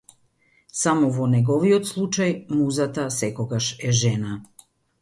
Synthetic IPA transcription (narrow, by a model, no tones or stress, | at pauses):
samɔvɔnɛɡɔviɔt̪slˠut͡ʃajmuzat̪asɛkɔɡaʃɛʒɛna